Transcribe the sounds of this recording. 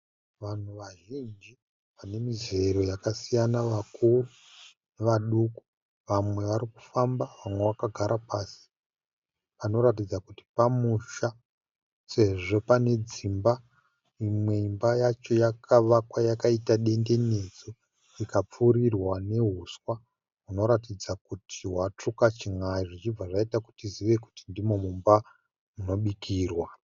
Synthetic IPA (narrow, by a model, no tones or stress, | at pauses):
ʋan̤uʋaʒind͡ʒi | ʋane̞mize̞ɾo̞jakasijanaʋakuru | neʋaɗuku̥ | ʋamwe̞ʋaɾiku̥fambaʋamwe̞ʋakaɡʱaɾʔapaːsi̥ | pano̞ɾatid͡zakuti̥pamuʃa | se̞ʐo̞pane̞d͡zimba | imwe̞imbajat͡ʃo̞jakʰaʋakwajakaitaɗe̞nde̞ne̞d͡zo̞ | ikap͡fuɾirwane̞ɦuswa | ɦuno̞ɾatid͡zakutʰiwat͡ʂukat͡ʃiŋaiʐit͡ʃib͡vaʐaitaku̥tiziʋe̞ku̥tindimo̞mumba | muno̞ɓikʰiːrwa